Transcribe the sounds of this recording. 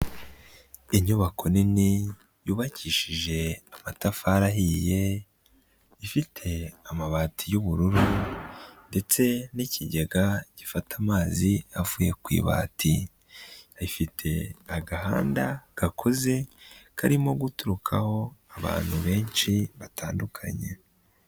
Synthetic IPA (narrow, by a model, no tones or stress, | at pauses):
iɲuβakʰo̞nini | juːβaciːʃiʒe̞amatafaːɾaɦiːje̞ | ifitʰe̞amaβaːtʰijuβuɾuɾu | nde̞t͡se̞niciɟeɡaɟ̥ifatʰamaːziavuje̞kwḭːβa̰ːtʰi | ifitʰe̞aɡaɦa̰ːndaɡ̥akʰo̞ze̞kʰaɾimo̞ɡutuɾukʰaho̞aβa̰ːn̥huβe̞ːnʃiβatʰaːndukʰa̰ɲe̞̰